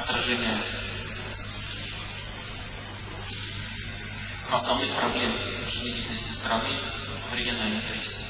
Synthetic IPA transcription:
ɐt̪ɾɐʐɛnʲɪjə | nɐsnɐvnɨxpɾɐblʲe̞m | ʐɨzʲit̪ʲɪlʲnəsʲtʲɪst̪ɾɐnɨ | vɾʲɪɡʲɐnalʲnɨt̪ʲis

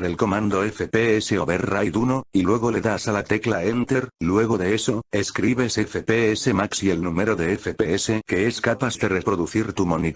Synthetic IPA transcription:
ðe̞lko̞mãnd̪o̞efe̞peeseoβe̞rajðunoilwe̞ɣ̞o̞le̞ðasalat̪e̞klae̞nt̪eɾlwe̞ɣ̞o̞ðeeso̞eskɾiβe̞se̞fe̞peese̞maksie̞lnume̞ɾo̞ðe̞efe̞pe̞ese̞ke̞e̞skapaθðe̞re̞pɾo̞ðuθiɾt̪umo̞ni

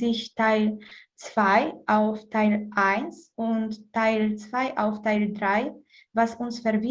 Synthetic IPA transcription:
ɪçtʰaɪlt͡sv̥aɪʔaʊftʰaɪlʔaɪnsʔʊntːʰaɪlt͡sv̥aɪʔa̰ʊftaɪldʁaɪ | vasʔʊnsfɛɐvi

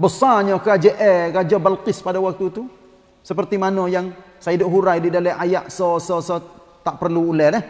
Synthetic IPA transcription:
bəsaɲakəad͡ʒəʔɛɡad͡ʒabalkɪspadawak̚t̪ut̪u | səpərt̪imanojaŋ | saidʊʔ̚ɦuɾajdidalɛʔajaʔsɔsɔsɔ | t̪aʔpərluːlɛhlɛh

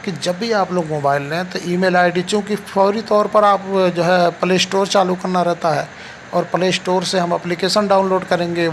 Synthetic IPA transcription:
kid͡ʒɐbːiaːploːɡmoːbaːɪlːɛ̃t̪oʔiːmeːlaːɪɖit͡ʃũːkifɔːɾit̪ɔːɾpɐɾaːpd͡ʒoːɦɛpəleːsʈoːɾt͡ʃaːlukɐɾnaɾɛɦt̪aɦɛː | ɔːɾpəleːsʈoːɾseɦɐmɛplikeːʃənɖaːʊnloːɖkɐɾẽːŋɡe

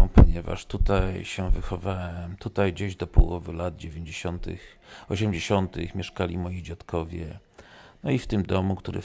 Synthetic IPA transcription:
pɔɲɛva̰ʂt̪ut̪ajɕɛvɘxɔvawɛmt̪ut̪ajd͡ʑeʑd̪ɔpɔwɔvɘlad̪̚d͡ʑevʲjeɲd͡ʑeɕɔnt̪ɘ̰xɔɕɛmd͡ʑeɕɔnt̪ɪxmʲjɛʂkalʲimɔjid͡ʑat̪kʰɔvʲjɛ | nɔift̪ɘmd̪ɔmukt̪uɾɛ̰

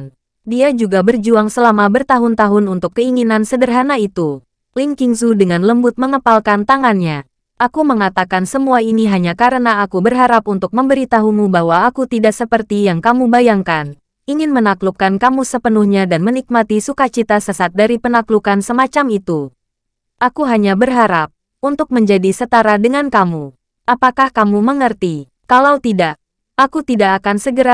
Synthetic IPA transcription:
n | diad͡ʒuɡabərd͡ʒuaŋsəlamabərt̪aɦʊnt̪aɦʊnunt̪ʊkːəiŋinansədərɦanait̪u | liŋkiŋsudəŋanləmbʊt̪̚məŋəpalkant̪aŋanɲa | ʔakuməŋat̪akansəmuainiɦaɲakaɾənaːkubərɦaɾap̚unt̪ʊk̚məmbəɾit̪aɦumubaɦwaːakut̪idaʔsəpərt̪ijaŋkamubajaŋkan | iŋɪnmənaklup̚kankamusəpənuhɲadanmənik̚mat̪isukat͡ʃit̪asəsat̪̚daɾipənaklukansəmat͡ʃamit̪u | ʔakuɦaɲabərɦaɾap̚ | unt̪ʊk̚məɲd͡ʒadisət̪aɾadəŋankamu | ʔapakahkamuməŋərt̪i | kalawt̪idaʔ | akut̪idakːkansəɡəɾa

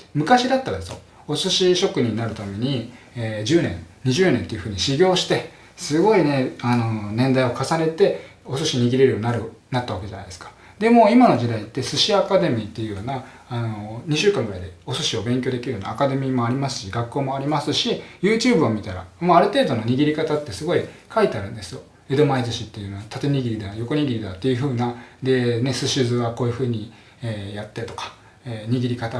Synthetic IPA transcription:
mɯ̟kaɕid̪at̪ːaɾad̪esɨjo̰ | o̞sɨɕiɕo̞kɯ̟ɲʲĩɲinaɾɯ̟t̪ame̞ɲ̟i | ed͡ʑɨːnẽ̞nɲ̟iʑɨːnẽnt̪e̞jɯ̟ɸɯ̟ːɲ̟iɕiɡʲo̞ːɕi̥t̪e̞ | sɨɡo̞ine̞ano̞nẽ̞nd̪aio̞kasane̞t̪e̞o̞sɨɕiɲ̟iɡʲiɾe̞ɾɯ̟joːninaɾɯ̟nat̪ːaβake̞d͡ʑana̰jd̪eskḁ | d̪e̞mo̞ːimano̞d͡ʑid̪ait̪ːe̞sɨɕiakad̪e̞mʲiːt̪ːe̞jɯ̟jo̞ːnaː | no̞ɲ̟iɕɨːkãŋɡɯɾa̰id̪e̞o̞sɨɕio̞bẽ̞ŋkʲo̞ːd̪e̞kʲiɾɯ̟jo̞ːna̰ːkad̪e̞mʲiːmo̞aɾʲimasɨ̥ɕiɡakːo̞ːmo̞aɾʲimasɨɕijɯːt͡ɕɨːbɯ̟omʲit̪aɾa̰maaɾɯ̟t̪e̞ːd̪o̞no̞ɲ̟iɡʲiɾʲikat̪at̪ːe̞sɨɡo̞ikait̪e̞aɾɯ̟̃nd̪e̞sɨjo̞ | e̞d̪o̞maizɨɕit̪ːe̞jɯ̟noat̪ʰat̪e̞ɲ̟iɡʲiɾʲid̪aajo̞koɲ̟iɡʲiɾʲid̪at̪ːe̞jɯ̟ɸɯ̟ːnad̪e̞ne̞sɨɕɨzɨβako̞ːjɯ̟ɸɯ̟ːɲ̟i | eːjat̪ːe̞t̪o̞̥kḁ | eɲ̟iɡʲiɾʲikat̪a

